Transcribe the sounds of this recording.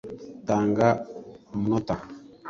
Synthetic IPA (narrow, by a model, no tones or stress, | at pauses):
taŋɡamunota